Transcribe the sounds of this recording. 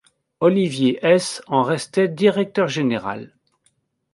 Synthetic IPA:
ɔlivjeʔɛsɑ̃ʁɛst̪ɛd̪iʁɛk̚t̪œʁʒeneʁa̰l

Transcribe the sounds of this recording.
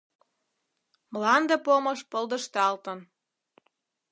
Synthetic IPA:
mlɑnd̪epomɤʃpɤld̪ə̆ʃt̪ɑlt̪ə̆n

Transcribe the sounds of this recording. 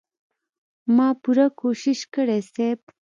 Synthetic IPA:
mɑpuɾakoʃiʃkəɽesep

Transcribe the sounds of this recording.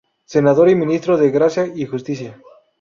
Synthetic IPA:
se̞naðo̞ɾimĩnist̪ɾoðeɣɾasjaixust̪isja

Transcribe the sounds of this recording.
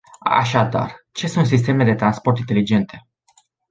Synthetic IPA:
a̰ʃ̬ad̪a̰rt͡ʃe̞sunt̪sis̬t̪e̞me̞d̪e̞t̪ɾanspo̞rt̪int̪e̞lid͡ʒe̞nt̪ʰe̞

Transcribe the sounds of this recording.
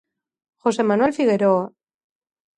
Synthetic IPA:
xo̞se̞manuelfiɣe̞ɾo

